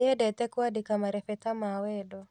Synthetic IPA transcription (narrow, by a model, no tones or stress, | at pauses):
ɛdɛt̪ɛkwadikamaɾɛfɛt̪amawɛdɔ